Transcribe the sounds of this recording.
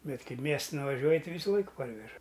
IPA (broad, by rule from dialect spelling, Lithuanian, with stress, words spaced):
ˈbʲɛt ˈkɐɪ ˈmʲiɛstɐn ʋɐˈʒʲuɔjɪ tʲɪ ˈʋʲiːsʊˈlˠɐɪk ˈpɐrʲʋʲɛʒɐ